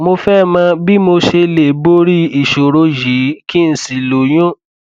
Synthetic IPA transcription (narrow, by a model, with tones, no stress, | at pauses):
mo˧fɛ˦˨mã˧˦bi˦mo˧ʃe˧le˨bo˦ɾi˦i˨ʃo˨ɾo˨˧ji˨˦ki˦˧n̩˨si˨lo˨j̃ũ˦